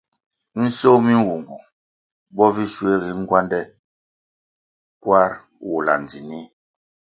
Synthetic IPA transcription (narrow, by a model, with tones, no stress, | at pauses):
n̩˦so˦mi˦wu˨ŋɡu˨ | bɔ˦vi˦ʃwe˦ɣi˨˦ŋ̩˦ɡwa˦ndɛ˦˨ | kwa˦ɾ | wu˨la̰˨n˨d͡zi˨ni˦